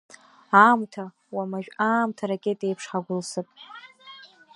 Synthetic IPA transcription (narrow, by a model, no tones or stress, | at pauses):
aːmtʰa | wamaʒᶣaːmtʰaɾakʲʼetʼejpʰʂħaɡʷʊlsɨpʼ